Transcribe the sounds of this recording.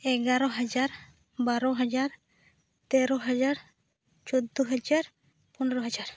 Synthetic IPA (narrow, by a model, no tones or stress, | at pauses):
ɛɡaɾɔɦad͡ʒaɾ | baɾɔɦad͡ʒaɾ | t̪ɛɾɔɦad͡ʒaɾ | t͡ʃɔd̪uɦad͡ʒaɾ | pɔnɔɾɔɦad͡ʒaɾ